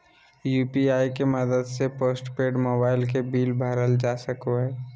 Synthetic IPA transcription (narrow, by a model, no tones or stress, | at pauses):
juːpiaːikeməd̪əd̪sepoːsʈpeːɖmoːbaːɪlk̬ebiːlbʱaːɾəld͡ʒasəkoɦɛː